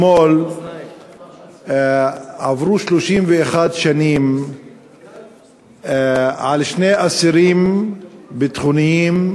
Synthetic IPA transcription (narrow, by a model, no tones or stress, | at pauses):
mol | avʁuʃloʃimveeχad̪ʃanim | ʕalʃneʔasiɾim | bet̪χunijim